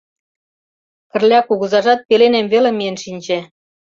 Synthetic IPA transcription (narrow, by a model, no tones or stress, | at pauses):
pə̆rlʲɑkuɣɤzɑʒɑt̪̚pelenemvelĕmijənʃinʲd͡ʑĕ